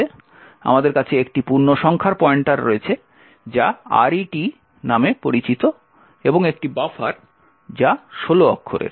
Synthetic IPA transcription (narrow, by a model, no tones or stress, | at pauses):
e | a̰mad̪eɾkat͡ɕʰeekʈipuɾnoʃɔŋkʰaɾpɔeɳʈaɾɾoet͡ɕʰe | d͡ʑaa̰ɾiʈi | namepoɾit͡ɕit̪o | eboŋek̚ʈibafaɾ | d͡ʑaʃoloɔ̰kʰːo̰ɾḛɾ